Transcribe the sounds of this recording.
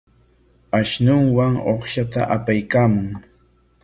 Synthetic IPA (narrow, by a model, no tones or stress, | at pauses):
aʃnʊŋwaŋoχʃat̪a̰ʔapajkaːmʊŋ